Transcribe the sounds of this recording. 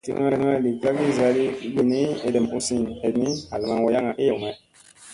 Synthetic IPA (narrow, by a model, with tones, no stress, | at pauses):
tḭ˦ŋa˦˨ŋa˦˨li˨ka˦ɡi˦˨za˨li˦ɡi˦ni˦e˨dɛ˨mu˦si˦ne˨˦ni˦a˨lma˦wo˨˦ja˦ŋa˨ʔe˦je˨mɛ˦